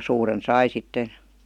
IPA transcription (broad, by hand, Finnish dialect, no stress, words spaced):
suːren sɑi sitːen̞